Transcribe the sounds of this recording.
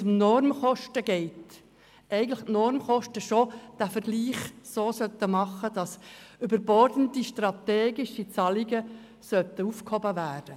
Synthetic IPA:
ʊmnɔɾmχɔʃtəɡɛɪt | ɛɪɡən̩tlɪχtnɔɾmχɔʃtəʃod̥æfəɾɡ̥liːχsoːsœt̪ːəmɑχːədɑsybəɾbɔrdəntiʃtrɑt̪eːɡɪʃit͡sɑliɡə | sœtəufkhɔbəʋæːd̥ə

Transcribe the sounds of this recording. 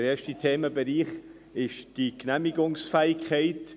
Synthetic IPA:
ɾɛːɐʃtitʰeːməbɛɾiːχ | ɪʃd̥iknæmiɡʊŋsfɛːɪkχɛɪt

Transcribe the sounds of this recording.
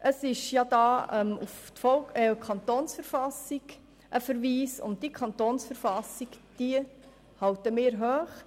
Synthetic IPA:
ʔəsɪʃjɑd̥̪ɑːɛmuft̪fɔlkɛkʰɑntoːnsfəɾfɑsɪɡ | ʔəfəɾʋiːsʊ̰nt̚d̥ikʰɑnt̪oːnsfəɾfɑsiɡd̥iə | hɑwtəmɪːɾɦøːχ

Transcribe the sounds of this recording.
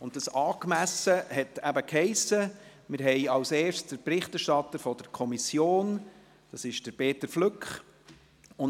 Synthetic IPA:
ʊn̚dɑsɑːkmæsəhɛtæbəkhɛɪsə | mɪɾɦɛɪɑlseːrʃsd̥əɾpɾɪχtæɾʃtɑtəɾfɔd̥əɾkʰɔmisjoːn | d̥ɑsɪʃd̥əɾbeːtəɾflʏkχ | ʊn

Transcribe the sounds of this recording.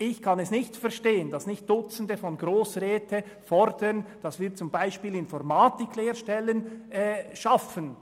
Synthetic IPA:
ɪçkʰɑnɛsnɪçtfɛɐʃteːənd̥ɑsnɪçt̚d̥ʊt͡sən̩dəfɔnɡɾoːsʁɛːtʰə | fɔɾd̥ənd̥ɑsv̥iːt͡sʊmbaɪʃpiːlɪnfɔɾmaːtɪkleːɾʃtɛlənɛːʃafən

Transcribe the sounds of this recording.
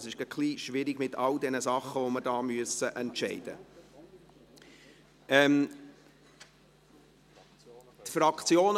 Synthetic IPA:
sɪʃɡ̥əkʰliːʃʋɪɾɪɡmɪtʰɑld̪ɛnəsɑχːəʋoməɾdɑːmyəsəʔɛntʃɛɪd̥ə̰ | ɛm | t̪fɾɑkt͡sjoːn

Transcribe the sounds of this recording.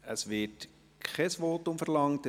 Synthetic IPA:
əsʋɪt | kʰχɛsʋoːtʊmfəɾlɑŋt

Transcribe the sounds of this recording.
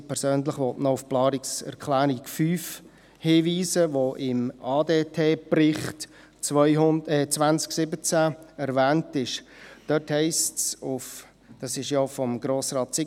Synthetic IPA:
pʰɛɾsøːnləχʋɔtnɔʊfplɑːɾiksɛ̰ɾkχlæːɾikfyːf | hiːʋiːzəʋoʔɪmɑːdeːtʰeːprɪχt | t͡sʋœɪʊnɛːt͡svʋænt͡sksɪbət͡sæɛɾvæːntɪʃd̥œthɛɪstsʊf | d̥ɑsɪʃjofɔmɡ̥ɾoːsɾɑːt̚t͡sɪ

